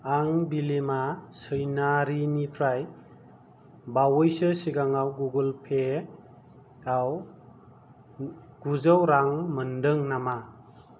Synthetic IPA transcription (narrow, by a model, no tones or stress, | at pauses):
aŋbilemasəjnaɾinipʰɾaj | bawɔjsɯsiɡaŋawɡuɡəlpʰe | aw | ɡ̥uzəwɾaŋməndəŋnama